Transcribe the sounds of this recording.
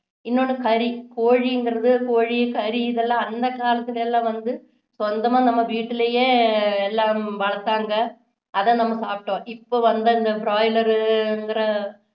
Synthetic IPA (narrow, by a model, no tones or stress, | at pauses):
ɪnːoɳɯkɐɾikoːɻiɪŋɡɪɾɐðɯkoːɻikɐɾiɪðɛlːãːɐnd̪ɐkaːlɐt̪ːɪlɛlːãːʋɐnd̪ɯ | sɔnd̪ɐmaːnɐmːɐʋiːʈːɪlejeːɛlːaːʋɐɭɐk̪ːaːŋɡɐ | ɐðɐ̃ːnɐmːɐsaːpɪʈːõːʔɪpːoːʋɐnd̪ɐɪnd̪ɐbɾaːjlɐɾɯɛŋɡɪɾɐ